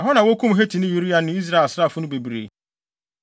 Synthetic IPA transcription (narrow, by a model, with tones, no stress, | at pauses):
a˨ɦɔ˦nã˨wo˦kʰũ˦m˨ɦe˦tʰi˨nɪ̃˦ju˨ɾi˦a˨n˦ɪ̃˦i˦s̬ɾa˦˨e˨sa˦˨fʊ˦nʊ̃˦be˨bɾḛ˨